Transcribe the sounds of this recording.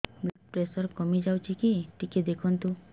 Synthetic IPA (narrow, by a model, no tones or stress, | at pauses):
blak̚pɾesɔɾkɔmid͡ʒawt͡ʃʰikiʈiked̪ekʰɔnt̪u